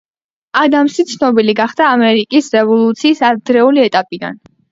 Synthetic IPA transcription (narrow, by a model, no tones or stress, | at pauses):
ad̪amʃit̪sʰnɔbiliɡaχd̪aːmɛɾikʼisɾɛvɔlˠut̪sʰiːsad̪ɾɛuliɛt̪ʼapʼid̪a̰n